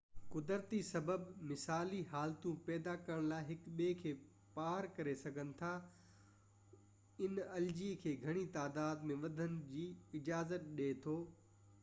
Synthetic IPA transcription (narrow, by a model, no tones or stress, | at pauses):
kʊd̪əɾt̪isɐbəbmɪsaːliɦaːlt̪ũpɛːd̪akɐɾəɽ̃laːɪɦɪkɓeːkʰeː | paːɾkɐɾesɐɡʱənɪ̆t̪ʰa | ɪnɐld͡ʑikʰeːɡʱɐɽ̃it̪aːd̪aːd̪mẽʋɐd̪ʱənɪ̆d͡ʑiːɪd͡ʑaːzət̪̚ɗeːt̪ʰoː